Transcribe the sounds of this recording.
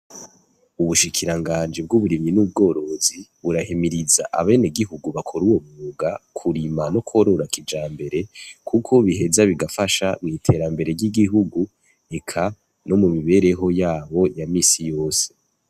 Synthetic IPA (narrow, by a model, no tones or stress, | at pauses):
uβuʃikʰiɾaŋɡaːnd͡ʒib̚ɡuβuɾiminub̚ɡo̞ːɾo̞ziβuɾahimiɾiza̰ʔa̰βe̞ːneɡiɦuɡuβakʰoɾuwo̞muːɡakʰuɾimano̞kʰo̞ɾo̞ɾakʰid͡ʒaːmbe̞ɾe̞kʰukʰo̞βiɦe̞zaβiɡafaʃamŋiːtʰe̞ɾambe̞ɾe̞ɾɟiɡiɦuɡu | e̞kʰa | no̞mumiβe̞ːɾe̞ɦo̞jaːβo̞jamiːsijo̞ːse̞